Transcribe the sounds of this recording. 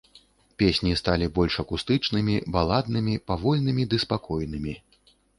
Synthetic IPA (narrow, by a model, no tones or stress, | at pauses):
pʲesʲnʲist̪alʲibɔlʲʂɐkust̪ɨt͡ʂnɨmʲibalˠad̪nɨmʲipavɔlʲn̪ɨmʲid̪ɨspakɔjnɨmʲi